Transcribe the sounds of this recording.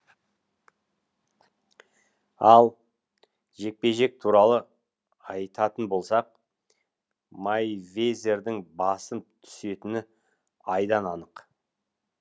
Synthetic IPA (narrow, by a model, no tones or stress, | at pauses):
ɑlˠ | ʒe̞k̚pe̞ʒe̞k̚t̪ʰuɾɑlˠə | ɑjt̪ɑt̪ənbo̞lˠsɑq̚ | majvezʲe̞ɾd̪ɪŋbɑsənt̪ʰʏ̥se̞t̪ɪnɪ | ɑjd̪ɑnɑnəq